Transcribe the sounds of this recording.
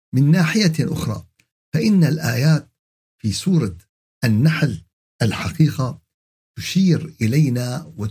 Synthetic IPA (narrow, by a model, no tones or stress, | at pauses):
mɪnːaːħɪjaʔʊ̰xɾˤɑ̰ː | faʔɪnːalʔaːjaːt̪̚ | fiːsuːɾˤɑ | ʔanːaħl | ʔalħaqiːqa | t̪ʊʃiːɾʔɪlajnawɪ